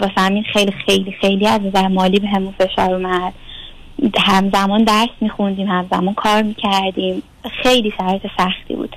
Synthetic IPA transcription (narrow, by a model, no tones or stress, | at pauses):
befæmiːnxejlixejlixejliæznæzæɾmɒːliːbeɦemunfe̞ʃɒ̰ːɾumæd̪̥ | hæmzæmɒnd̪æɾsmiːxund̪iːmhæmzæmɔːnkʰɒːɾmiːcʰæɾd̪iːm | xejliːsæɾɛt̪ʰesæxt̪ʰḭːbṵːd̪̥